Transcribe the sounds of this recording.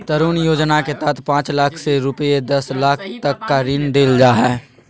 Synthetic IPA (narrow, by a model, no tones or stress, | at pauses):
t̪əɾuːnjoːd͡ʒnaket̪ət̪ʰpãːt͡ʃlaːkʰseɾʊped̪ɐslaːkʰt̪ɐkːaɾiːnd̪eːld͡ʒaːɦɛː